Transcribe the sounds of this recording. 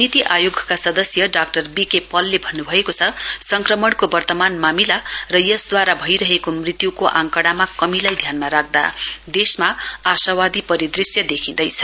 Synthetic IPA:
nit̪iʔajoɡʱkasʌd̪ʌsjʌɖak̚ʈʌrbikepʌlːebʱʌnːubʱʌekot͡sʰʌsʌŋkrʌmʌɽkobʌrt̪ʌmanmamilarʌjʌsd̪waɾabʱʌjɾʌɦekomrit̪jukoʔãŋkʌɽamakʌmilajd̪ʱjanmaɾak̚d̪a̰d̪esmaasawad̪ipʌɾid̪risjʌd̪ekʰĩnd̪ʌjt͡sʰʌ

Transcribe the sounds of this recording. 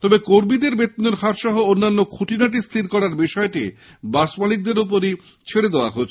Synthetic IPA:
t̪ɔbekoɾmid̪eɾbet̪ːinoɾkʰat̪ʃɔɦoonːanːokʰuʈʰinaʈ̬ist̪ʰiɾkɔɾaɾbiʃɔeʈi | basmalik̚d̪eɾup̬oɾi | t͡ɕʰeɽed̪eoa̰ɦot͡ɕʰ

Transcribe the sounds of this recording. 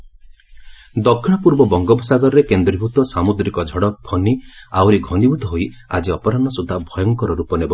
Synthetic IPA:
d̪ɔkʰːɽ̃apuɾbɔbɔŋɡɔbɔsaɡɔɾɾekend̪ɾibʱut̪ɔsamud̪ɾikɔd͡ʒʱɔɽɔpʰɔniawɾiɡʱɔnibʱut̪ɔɦoia̰d͡ʒiɔpɔɾanɔsud̪ʱːabʱɔjɔŋkɔɾɔɾupɔnebɔ

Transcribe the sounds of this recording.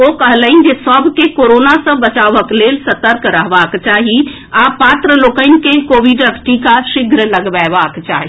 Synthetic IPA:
okəɦləɪn̆d͡ʒesəbʱkekoːɾoːnasə̃bət͡ʃaːʋəkleːlsɐt̪əɾkɾəɦʋaːkt͡ʃaːɦi | apaːt̪ɾəloːkəɪn̆kẽkoʋiɖəkʈʰikaʃɪɡʱɾələɡbaʋaːkt͡ʃaːɦi

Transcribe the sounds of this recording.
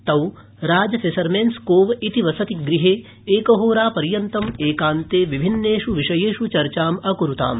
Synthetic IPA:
t̪ɐw | ɾaːd͡ʒɐsesɐɾmeːnskoːʋit̪iʋɐsɐt̪iɡɾiɦeː | eːkɐɦoːɾaːpɐɾjɐnt̪ɐmeːkaːnt̪eːʋibʱinːeːʃuʋiʂɐjeːʃut͡ʃɐɾt͡ʃaːmɐkuɾut̪a̰ːm

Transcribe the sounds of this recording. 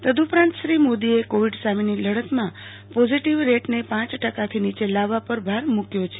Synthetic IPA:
t̪əd̪upɾãnt̪ʃɾimod̪iekoʋiɖsaminiləɽət̪mã | pod͡ʒiʈiʋɾeʈnepãt͡ʃʈəkat̪ʰinit͡ʃelaʋapəɾbʱaɾmukjot͡ʃʰe

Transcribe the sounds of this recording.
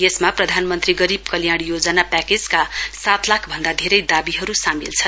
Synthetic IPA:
jesmaprʌd̪ʱanmʌnt̪riɡʌɾibkʌljaɽ̃jod͡zʌnapakeskasat̪lakʰbʱʌnd̪ad̪ʱeɾʌjd̪abiɦʌɾusamilt͡sʰʌ

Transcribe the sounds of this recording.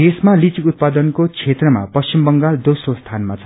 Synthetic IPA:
esmalit͡sikut̪̚pad̪ʌnkot͡sʰet̪rʌma̰pʌst͡ɕimbʌŋɡald̪osrost̪ʰanmat͡sʰʌ

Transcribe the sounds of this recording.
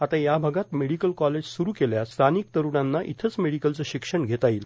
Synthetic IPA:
at̪ajabʱəɡat̪meɽikəlkɔled͡ʑsuɾuːkeljast̪ʰaniːk̚t̪əɾuɽanːaʔḭt̪ʰət͡smeɽikəlt͡səɕikʂəɳɡʱet̪aiːl

